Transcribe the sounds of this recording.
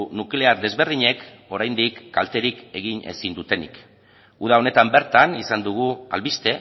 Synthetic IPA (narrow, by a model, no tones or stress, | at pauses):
nukle̞aɾd̪e̞zβe̞ɾðiɲe̞k | o̞ɾajnd̪ikːalt̪e̞ɾike̞ɣine̞̰sind̪ut̪e̞nḭk | uð̞ao̞ne̞t̪ambe̞ɾt̪anisand̪uɣ̞ua̰lβist̪e̞